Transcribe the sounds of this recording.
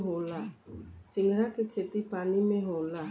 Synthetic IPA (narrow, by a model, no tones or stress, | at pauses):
ɦolasiŋɾakekʰet̪ipanimeɦola